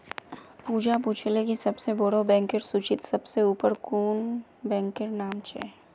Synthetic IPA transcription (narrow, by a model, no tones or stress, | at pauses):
puːd͡ʒapuːt͡ʃʰlekisɐbseboɽobɛ̃ːŋkɪɾsuːt͡ʃɪt̪sɐbseuːpəɾkuːnbɛ̃ːŋkeɾnaːmt͡ʃɛ̰